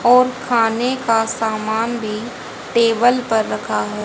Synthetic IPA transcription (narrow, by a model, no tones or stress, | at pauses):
ɔːɾkʰaːnekasaːmaːnbʱi | ʈeːbəlpɐɾːɐkʰaɦɛː